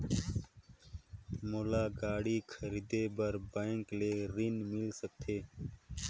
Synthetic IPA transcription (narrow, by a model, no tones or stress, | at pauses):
molaːɡaːɽiːkʰəɾiːd̪eːbəɾbaɪŋkleːɾinmɪlsək̚t̪ʰeː